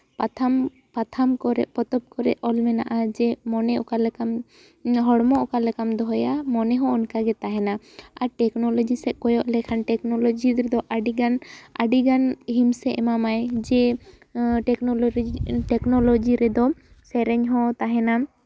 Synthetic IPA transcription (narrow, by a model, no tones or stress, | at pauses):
pat̪ʰam | pat̪ʰamkɔɾɛ̰ʔpɔt̪ɔp̚kɔɾɛ̰ʔɔlmɛna̰ʔad͡ʒɛmɔnɛɔ̰kalɛkam | ɦɔɽmɔʔɔkalɛkamd̪ɔɦɔjamɔnɛɦɔ̃ɔnkaɡɛt̪aɦɛna | aɾʈɛknɔlɔd͡ʒisɛʔ̚kɔjɔʔlɛkʰanʈɛknɔlɔd͡ʒiɾɛd̪ɔʔaɖiɡanaɖiɡanɦimsɛʔɛmamajd͡ʒɛ | ʈɛkɔʈɛknɔlɔd͡ʒiɾɛd̪ɔ | sɛɾɛɲɦɔ̃t̪aɦɛna